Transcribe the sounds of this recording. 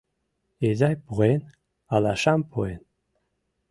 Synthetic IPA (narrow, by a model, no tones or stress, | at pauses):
ezajpuen | alaʃampʰoen